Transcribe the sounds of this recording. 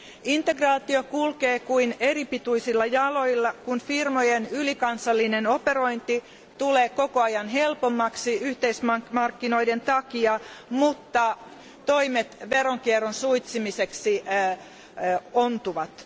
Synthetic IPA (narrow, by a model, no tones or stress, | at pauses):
int̪eɡrɑːt̪iokulkeːkuineripit̪uisilːɑjɑloilːɑkunfirmojenylikɑnsɑlːinenoperoint̪i | t̪uleːkokoɑjɑnɦelpomːɑksiyht̪eismmɑrkːinoident̪ɑkiɑmut̪ːɑ | t̪oimet̪ʋeroŋkieronsuit̪simiseksi | ont̪uʋɑt̪